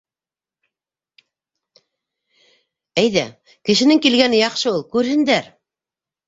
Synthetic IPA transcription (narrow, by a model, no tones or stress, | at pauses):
æjðæ | kɘ̆ʃɘ̆nɘŋkilɡænɘjɑqʃɤulˠkʉɾhɘ̆nd̪æɾ